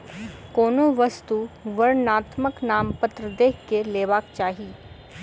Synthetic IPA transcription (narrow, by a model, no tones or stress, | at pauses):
koːnoʋɐst̪uʋɐɾnaːt̪məknaːmpɐt̪ɾəd̪eːɦkeleːʋaːkt͡ʃaːɦi